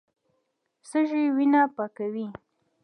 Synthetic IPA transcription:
səʒewinapakawi

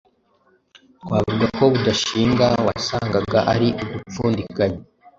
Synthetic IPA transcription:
kwaːvuɡako̞βudaʃiːŋɡawasaːŋɡaɡaʔaɾiʔuɡup͡fuːndikaɲa

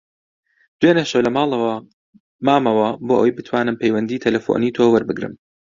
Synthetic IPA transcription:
d̪̥weːnɐʃolɐmaːlˠɐwɐ | maːmɐwɐboːʔwɛjbɨt̪ʰwaːnɨmpʰejwɐnd̪iːt̪ʰɐlɐfo̰niːt̪ʰoːwɐɾbɨɡɾɨ̰m

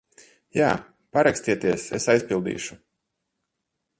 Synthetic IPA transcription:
jaː | paɾakst̪ʲiɛt̪iɛsḛsajspʲilˠd̪ḭːʃu̥

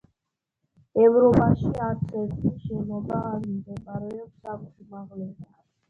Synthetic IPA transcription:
ɛvɾɔpʼaʃiat̪sʰɛtʼiʃɛmɔbaːɾimɡɛkʼaɾɛɔpsakutimaʁlɛba

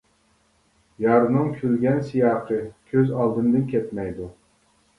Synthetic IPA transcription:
jɑɾnɨŋkʲʰylɡʲɛnsijɑːqʰɨkʲʰøzɑlˠd̪ɨnd̪ɨnkʲʰɛt̪mɛjd̪u

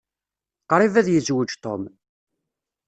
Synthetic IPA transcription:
qɾˤivæðjəzwəd͡ʒt̪ˤo̰m

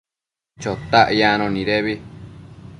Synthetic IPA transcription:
t͡ʃot̪aʔjãnõnĩɾeβi

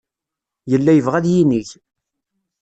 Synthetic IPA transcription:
jəlːæjəvʁæðjiniç

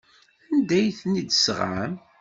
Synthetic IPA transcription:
ænd̪æjθnid̪sʁa̰m

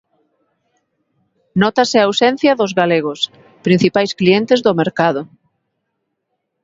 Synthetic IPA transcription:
nɔt̪asɪaːwsɛn̟θjɐðʊzɣaleɣ̞os | pɾĩn̟θipajsklient̪ezðomeɾkaðʊ

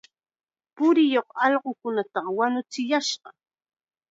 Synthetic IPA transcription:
pʊɾɪjoχɑʎɢʊkʊnat̪ɑwanʊt͡sɪjaʃɢɑ

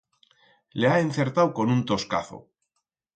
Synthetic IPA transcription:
leaenθe̞ɾt̪awko̞nunt̪o̞ska̰θo̰

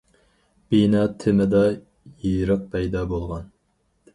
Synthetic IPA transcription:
b̥inɑːt̪ʰɪmɪd̪ɑ | jijɾəq̚pʰɛjd̪ɑbolˠʁɑn

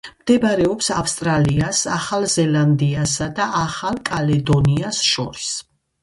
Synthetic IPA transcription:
md̪̥ɛbaɾɛɔpsafst̪ʼɾaliasaχalˠzɛland̪iasad̪aʔaχalˠkʼalɛd̪ɔniasʃɔ̰ɾis

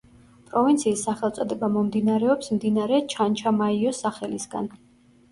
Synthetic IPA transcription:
pʼɾɔvint̪sʰiːsːaχɛlˠt̪sʼɔd̪ɛbamɔmd̪inaɾɛɔpsmd̪inaɾɛt͡ʃʰant͡ʃʰamaiɔsaχɛlisɡa̰n

